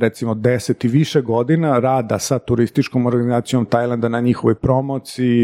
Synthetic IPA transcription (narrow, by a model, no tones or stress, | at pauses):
ɾet̪simod̪eset̪iʋiʃeɡo̞d̪inaɾaːd̪asat̪uɾist̪it͡ʃkomo̞ɾɡanizaːt̪sijo̞mt̪ajlˠand̪anaɲixoʋo̞jpɾo̞mot̪sii